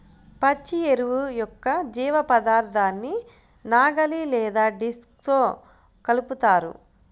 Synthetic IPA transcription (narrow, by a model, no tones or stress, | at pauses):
pɐt͡ʃːieɾuʋujɔkːɐd͡ʒiːʋɐpɐd̪aːɾt̪ʰaːnːi | naːɡɐlilɛːd̪aːɖisk̚t̪o̞ː | kɐluput̪aːɾṵ